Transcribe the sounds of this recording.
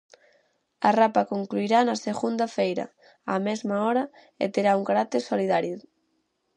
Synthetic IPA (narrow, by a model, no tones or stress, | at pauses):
ɐrapakoŋkluiɾanɐseɣund̪ɐfejɾɐ̰ | a̰mɛzmaɔɾɐ | ḛt̪eɾauŋkaɾat̪eɾsoliðaɾju